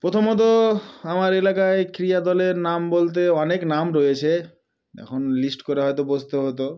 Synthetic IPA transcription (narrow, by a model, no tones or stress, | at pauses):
pɾot̪ʰomɦot̪̬oamaɾelakaekɾiad̪ɔleɾnambolt̪̬eɔneknamɾojet͡ɕʰe | ɛ̰kʰonlisʈkoɾeɦɔjt̪̬obost̪oɦot̪o